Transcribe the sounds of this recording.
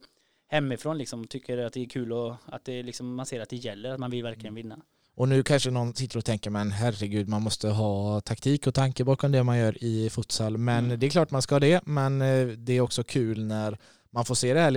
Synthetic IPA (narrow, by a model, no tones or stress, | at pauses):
hɛmːɪfɾoːnlɪksɔmt̪ʰʏkʰːəɖɛat̪̚d̪ɛːkʰʉ̟ːlɔat̪̚d̪ɛlɪksɔmːanseːɾat̪̚d̪ɛjɛlːəɾat̪manvɪlvæɾklɪɡənvɪnːa | ɔnʉ̟ːkʰanʂənɔnsɪt̪ːəɾɔt̪ʰɛŋkəɾmɛnɦærəɡʉ̟ːd̪manmɔst̪əɦɑːt̪ʰakt̪ʰiːkɔt̪ʰaŋkəbɑːkɔmd̪ɛmanjœːɾɪfʊt̪salːmɛnd̪ɛɛklɑːʈmanskahɑːd̪ɛmɛnd̪ɛæɾɔksɔkʰʉ̟ːlnæɾ | manfoːʂeːd̪ɛhæː